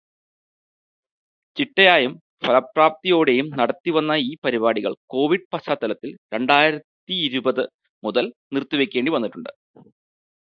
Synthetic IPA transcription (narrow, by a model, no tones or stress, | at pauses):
t͡ɕiʈːɐjaːjɐm | fɐlɐpːraːp̚t̪ijo̞ːɽe̞jumnɐɽɐt̪ːiʋɐnːɐiːpɐɾibaːɽiɣɐ̰ɭko̞ːʋiɖ̚pɐɕaːt̪ːɐlɐt̪ːilɾe̞ɳɖaːjiɾɐt̪ːiːɾubɐðɨ | muðɐlnirt̪ːuʋekʲːe̞ːɳɖiʋɐnːiʈːuɳɖɨ̰